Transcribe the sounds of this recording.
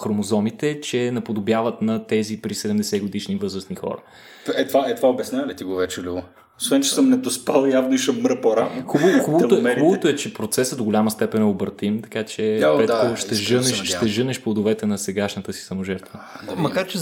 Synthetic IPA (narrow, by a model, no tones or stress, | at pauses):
xɾomozɔmit̪ɛt͡ʃɛnɐpod̪objavɐt̪nɐt̪ɛzipɾisɛd̪ɛmd̪ɛsɛɡod̪iʃnivɤzɾəsnixɔ̰ɾɐ̰ | ɛt̪vaɛt̪vaobɛsnʲalit̪iɡovɛt͡ʃɛlivo | osvɛnt͡ʃɛ̥səmnɛt̪ospalˠjavnʊiʃəmːɾəpoɾavnoxubəoxubəvoɛubəvot̪oɛt͡ʃɛpɾot̪sɛsəd̪oɡolʲaməst̪ɛpɛnɛobɾt̪imt̪ɐ̥kat͡ʃɛpɾɛt̪koʃt̪ɛʒɤnɛʃʃt̪ɛʒɤnɛʃplˠod̪ovɛt̪ɛnɐsɛɡaʃnət̪əsi̥sɐmoʒɛɾt̪və | mɐkaɾt͡ʃɛ